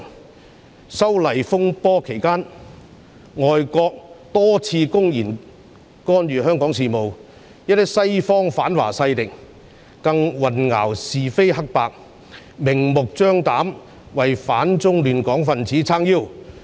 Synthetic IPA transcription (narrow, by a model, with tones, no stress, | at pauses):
sɐ˥wlɐ˨˩jfʊ˥ŋpɔː˥kʰe˨˩jkaː˥n | ŋɔː˨jkɔː˧k̚t̪ɔː˥t͡sʰiː˧kʊ˥ŋjiː˨˩n | kɔː˥nɥyː˨ɦœː˥ŋkɔː˨˥ŋsiː˨mo˨w | jɐ˥t̪̚ːɪ˥sɐ˥jfɔː˥ŋfaː˨˥nwa̰ː˨˩sɐ˧jt̪ɪ˨k̚ | kɐ˧ŋwɐ˨nŋa̰ː˨˩wsiː˨fe˥jɦɐ˥k̚paː˧k̚ | mɪ˨˩ŋmʊ˨k̚t͡sœː˥ŋt̪aː˨˥m | wɐ˨jfaː˨˥nt͡sʊ˥ŋlyː˨nkɔː˨˥ŋfɐ˨nt͡siː˨˥t͡sʰaː˥ŋjiː˥˩w